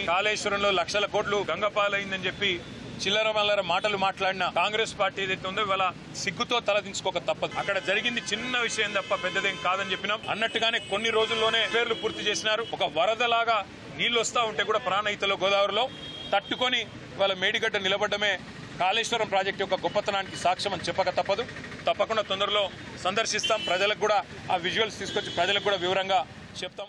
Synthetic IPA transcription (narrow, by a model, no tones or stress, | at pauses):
kaːleːʂʋɐɾɐmlo̞ːlɐkʂɐlɐko̞ːɖluɡɐŋɡɐpaːlɐjind̪ɐnit͡ʃe̞pːi | t͡ʃilːɐɾɐmɐlɐɾɐmaːʈɐlumaːʈlaːɽinɐkaːŋɡɾe̞ːspaːɾʈiːed̪ɐjt̪ːeund̪oiʋaːlɐ | siɡːut̪o̞ːt̪ɐlɐd̪iɲt͡ʃu̥kɔkɐt̪ɐpːɐd̪uɐkːɐɽɐd͡ʒɐɾiɡind̪it͡ʃinːɐʋiʂɐjɐnd̪ɐpːɐpɛd̪ːɐd̪ɐjɐmkaːd̪ɐnit͡ʃe̞pːinaːmɐ̰nːɐʈːuɡaːneːkonːiɾo̞ːd͡ʒulːo̞ːne̞ːpe̞ːɾlupuːɾt̪it͡ʃe̞ːsinaːɾuɔkɐʋɐɾɐd̪ɐlaːɡaː | niːlost̪aːuɳʈe̞ːkuːɽaːpɾaːnɐjit̪ɐloːɡɔːd̪aːʋɐɾloː | t̪ɐʈːuko̞ni | ʋaːlɐmeːɽiɡɐɖːɐnilɐbɐɖːɐme̞ː | kaːleːʂʋɐɾɐmpɾaːd͡ʒek̚ʈijɔkːɐɡɔpːɐt̪ːɐnaːnikisaːkʂɐmɐnt͡ʃɛpːɐkɐt̪ɐpːɐd̪u | t̪ɐpːɐkuɳɖaːt̪ond̪ɐɾulo̞ː | sɐnd̪ɐɾʂist̪aːmpɾɐd͡ʒɐlɐkɡuːɽaː | aːʋid͡ʒuʋɐlst̪iːsu̥kot͡ʃːipɾɐd͡ʒɐlɐkɡuːɽaːʋiʋɐɾɐŋɡaː | t͡ʃɛp̚ːut̪aːm